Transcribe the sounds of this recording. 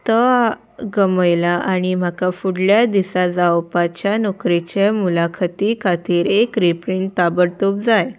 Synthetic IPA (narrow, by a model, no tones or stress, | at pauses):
t̪ə | ɡəməjlaʔaɽ̃im̤akafuɽljad̪isad͡zawpat͡ɕjanokɾet͡ɕemulakʰət̪ikʰat̪iːɾekɾipɾiɳt̪abəɽt̪op̚d͡zaj